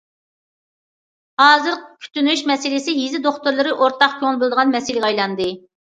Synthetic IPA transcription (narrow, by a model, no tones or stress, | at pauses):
hɑːzɨɾqkʲʰy̥t̪ynyʃmɛsɪlɪsɪɦizɪd̪oχt̪uɾlˠɨɾɨʔoɾt̪ʰɑχkʲʰøŋlˠbɨlˠd̪əʁɑnmɛsɪlɪɡʲɑjlˠɑnd̪ɨ